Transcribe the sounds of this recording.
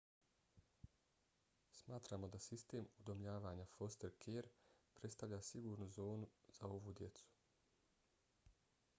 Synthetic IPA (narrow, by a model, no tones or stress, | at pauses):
smaːt̪ɾaːmo̞d̪asist̪e̞ːmud̪o̞mʎaːʋaːɲafo̞st̪eɾkʰeːɾpɾet̪st̪aʋʎaːsiɡuːɾnuzo̞ːnuz̥ao̞ʋud̪je̞t̪su̥